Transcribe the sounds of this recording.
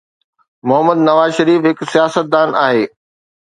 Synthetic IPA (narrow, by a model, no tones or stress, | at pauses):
mʊɦəməd̪nɐʋaːzʃɐɾiːfɦɪksijaːsət̪̚d̪aːnaːɦeː